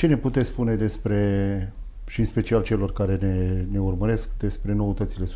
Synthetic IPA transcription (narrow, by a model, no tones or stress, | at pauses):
t͡ʃene̞put̪et̪sspune̞d̪e̞spɾe̞ | ʃiɨnspe̞t͡ʃialt͡ʃe̞lo̞rkaɾe̞nene̞urməɾe̞skd̪e̞spɾe̞no̞ət̪ət̪sile̞